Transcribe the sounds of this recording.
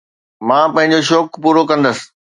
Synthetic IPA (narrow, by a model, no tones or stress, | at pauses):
mãːpɐ̃ɦɪ̃ɲ̆d͡ʑoʃ̬ɔːkpuːɾokɐ̃nd̪əsɪ̥̆